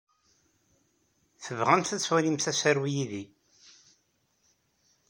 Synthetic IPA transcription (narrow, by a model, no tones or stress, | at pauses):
θəvʁæmθæt͡sːwælimθæsæɾwijiði